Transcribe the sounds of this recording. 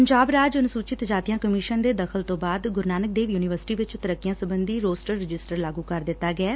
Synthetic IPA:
pəɲd͡ʒaːbɾaːd͡ʒənsuːt͡ʃɪt̪d͡ʒaːt̪ijãːkəmiːʃənd̪eːd̪əkʰəlt̪õːbaːd̪ɡʊɾnaːnək̚d̪eːʋjuːnɪʋəɾsɪ̥ʈiːʋɪt͡ʃt̪əɾəkːɪjãːsəbənd̪iːɾoːsʈəɾːɪd͡ʒɪsʈəɾlaːɡuːkəɾd̪ɪt̪ːaːɡɛɛː

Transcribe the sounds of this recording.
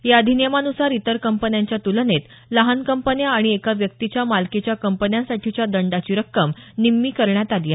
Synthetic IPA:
jaəd̪ʱinjemanusaɾit̪əɾkəmpənjaɲt͡ɕjat̪ulənet̪ | ləɦankəmpənjaːɽ̃iekaʋjək̚t̪it͡ɕjamalket͡ɕjakəmpənjãsaʈʰit͡ɕjad̪əɳɖat͡ɕiɾəkːəmnimːikəɾɳjat̪ad̪ja

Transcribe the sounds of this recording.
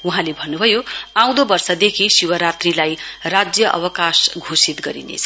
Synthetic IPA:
uɦãlebʱʌnːubʱʌjoãw̃d̪obʌrsʌd̪ekʰisuwʌɾat̪rilajrad͡zjʌʔʌ̰bʌkasɡʱosit̪ɡʌɾḭnḛt͡sʰʌ

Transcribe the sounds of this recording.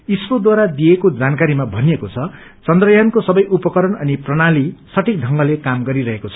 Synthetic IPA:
ispod̪waɾad̪ijekod͡zankaɾimabʱʌnijekot͡sʰʌ | t͡sʌnd̪rʌjankosʌbʌjʔupʌkʌɾʌnʌniprʌɽalisʌʈʰik̚d̪ʱʌŋɡʌlekamɡʌɾiɾʌɦekot͡sʰʌ̥

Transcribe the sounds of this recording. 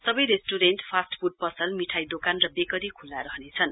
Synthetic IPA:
sʌbʌjɾesʈuɾenʈpʰasʈfuɖ̚pʌsʌlmiʈʰajd̪okanrʌbekʌɾikʰulːaɾʌɦnet͡sʰʌn

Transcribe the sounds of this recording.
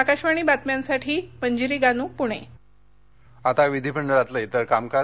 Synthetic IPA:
akaɕʋaɽ̃iːbat̪mjãnsaʈʰiːpəɲd͡ʑiɾiːɡanũːpuɽ̃ḛ | at̪aʋid̪ʱipəɳɖəɾat̪ləjt̪əɾkamka

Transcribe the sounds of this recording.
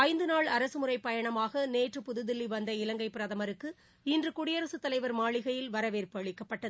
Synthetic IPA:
ɐɪnd̪ɯnaːɭɐɾɐsɯmɯɾɐɪpːɐjɐɳɐmaːɣɐneːʈrɯpʊðɯðɪlːiʋɐnd̪ɐɪlɐŋɡɐɪpːɪɾɐðɐmɐɾɯkːɯ | ɪndrɯkʊɽɪjɐɾɐsɯt̪ːɐlɐɪʋɐɾmaːɭɪɣɐjɪlʋɐɾɐʋeːɾpɯɐɭɪkːɐpːɐʈːɐðɯ

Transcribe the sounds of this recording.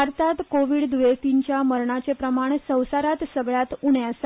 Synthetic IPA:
aɾt̪at̪koʋiɽd̪ʋet̪iɲt͡ɕjaməɾɳat͡sepɾəmaɳsə̃w̃saɾat̪səɡɭjat̪uɳjas

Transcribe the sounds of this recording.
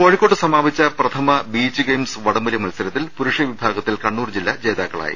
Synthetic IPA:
ko̞ːɻikːoːʈːɨsɐmaːʋit͡ɕːɐprɐt̪ʰɐmɐbiːt͡ɕːɨɡejmsʋɐɽɐmɐljɐmɐlsɐɾɐt̪ːilpuɾuʂjɐʋibʱaːɡɐt̪ːilkɐɳːuːrd͡ʑilːɐt͡ɕe̞ːðaːkːɐ̰ɭa̰ːjḭ

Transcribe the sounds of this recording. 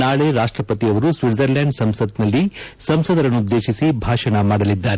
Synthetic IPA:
naːɭeɾaːʂʈɾɐpɐt̪iɐʋɐɾusʋiɖzɐɾlaːɳɖsɐmsɐd̪nɐlːisɐmsɐd̪ɐɾɐnːuud̪ːe̞ːʃisibʱaːʂɐɳɐmaːɽɐlid̪ːaːɾe

